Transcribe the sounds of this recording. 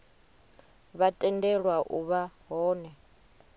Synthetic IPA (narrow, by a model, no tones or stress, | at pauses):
βatʼɛndɛɺwaʔuβaɦɔːnɛ